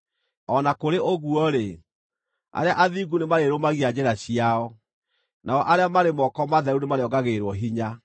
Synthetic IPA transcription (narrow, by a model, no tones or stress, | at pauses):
ɔnakoɾeʔoɣuɔɾe | a̰ɾeaʔaðiɡunemaɾeɾomaɣiad͡ʑɛɾaɕiaɔ | naɔʔaɾeamaɾemɔkɔmaðɛɾunemaɾeɔɡaɣeɾwɔɦiɲa